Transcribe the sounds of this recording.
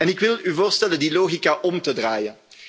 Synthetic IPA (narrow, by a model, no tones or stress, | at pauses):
ɛnɪkʋɪlyvoːrstɛləndiloːɣikaʔɔmtədraːjən